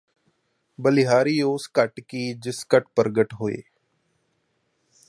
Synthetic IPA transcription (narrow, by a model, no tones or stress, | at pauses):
bəlɪɦaːɾiːoːskəʈkiːd͡ʒɪskəʈpəɾɡəʈɦoːḛː